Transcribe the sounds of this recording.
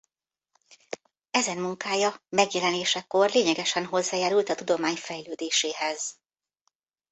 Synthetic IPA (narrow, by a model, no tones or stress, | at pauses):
ɛzɛnmuŋkaːjɒmɛɡjɛlɛneːʃɛko̞rleːɲɛɡɛʃɛnɦo̞zːaːjaːɾult̪ɒt̪ud̪o̞maːɲfɛjløːd̪eːʃeːɦɛz̥